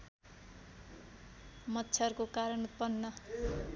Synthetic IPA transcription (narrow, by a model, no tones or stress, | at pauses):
mʌt̪ːt͡sʰʌrkokaɾʌnut̪̚pʌnːʌ